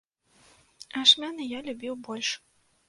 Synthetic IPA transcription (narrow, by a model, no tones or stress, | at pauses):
aʂmʲanɐjalʲubʲiwbɔlʲʂ